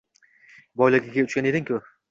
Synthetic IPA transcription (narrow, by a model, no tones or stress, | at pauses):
bɒjlaɡʲaɡʲaʊt͡ʃkʲane̞d̪ɪŋkʲʰʊ